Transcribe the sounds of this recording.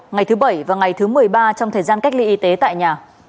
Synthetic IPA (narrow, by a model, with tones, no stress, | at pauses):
ŋa˨˩jt̪ʰɨ˨˦ɓə˧˩jvaː˨˩ŋa˨˩jt̪ʰɨ˨˦mɨ˨˩əjɓaː˧t͡ɕɔ˧ŋ͡mt̪ʰəː˨˩jzaː˧nka˦˥k̚li˧ʔi˨˦t̪e˨˦t̪a̰ː˧˨jɲaː˨˩